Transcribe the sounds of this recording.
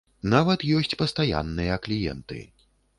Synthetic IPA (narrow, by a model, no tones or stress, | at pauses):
navɐt̪jɔsʲt͡sʲpɐst̪aja̰nːɨjɐklʲijɛ̰nt̪ɨ̰